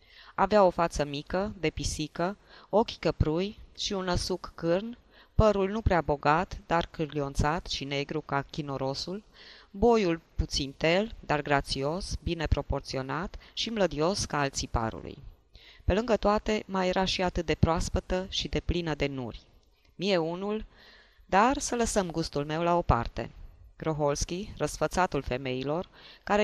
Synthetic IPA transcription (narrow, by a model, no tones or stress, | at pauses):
aveao̞fat̪səmikəd̪e̞pisikə | o̞kʲkəpɾujʃiunːəsukːɨrn | pəɾulnupɾeabo̞ɡat̪d̪arkɨrlio̞nt̪sat̪ʃine̞ɡɾukakʲinoɾo̞sulbo̞julput̪sint̪e̞ld̪arɡɾat̪sio̞sbine̞pɾo̞po̞rt̪sio̞nat̪ʃimləd̪io̞skaalt̪sipa̰ɾṵlṵj | pe̞lɨŋɡət̪oat̪e̞maje̞ɾʔaʃiat̪ɨt̪̚d̪e̞pɾoaspət̪əʃid̪e̞plinəd̪e̞nṵrʲ | mije̞unul | d̪arsələsəmɡust̪ulme̞wlao̞pa̰rt̪e̞̰ɡ̥ɾo̞ɦo̞lskʲirəsfət̪sat̪ulfe̞me̞ilo̞rkaɾe